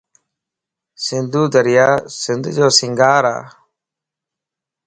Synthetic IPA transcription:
sɪnd̪ʱuːd̪əɾɪjaːsɪnd̪ʱd͡ʒoːsɪŋɡaːɾa̰ː

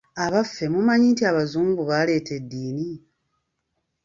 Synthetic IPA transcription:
aβafːe̞mumaɲiːntiaβazuːmbuβale̞ːte̞dːiːni

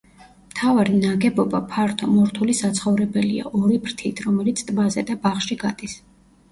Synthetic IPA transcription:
mt̪ʰavaɾinaɡɛbɔbapʰaɾt̪ʰɔmɔɾt̪ʰulisat̪sʰχɔvɾɛbɛlia̰ʔɔɾipʰɾt̪ʰit̪ʰɾɔmɛlit̪sʰt̪ʼbazɛd̪abaχʃiɡad̪̥is

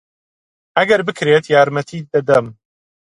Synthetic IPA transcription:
ɐɡɐɾbɨkʰɾeːt̪jaːɾmɐt̪ʰiːd̪ɐd̪ɐm

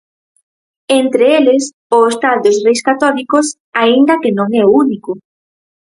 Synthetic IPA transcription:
ent̪ɾeelɪs | ʊest̪ald̪ʊsrejskat̪ɔlikʊs | aind̪ɐkɪnõŋɛounikʊ

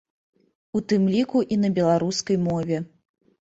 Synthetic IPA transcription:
ut̪ɨmlʲikuʔinɐbʲɛlˠaɾuskɐjmɔvʲɛ

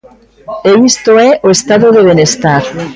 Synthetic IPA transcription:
eist̪oeʔoest̪aðoðeβ̞enest̪aɾ

